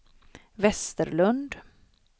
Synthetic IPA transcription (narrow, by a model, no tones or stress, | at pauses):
vɛst̪əɾlɵnd̪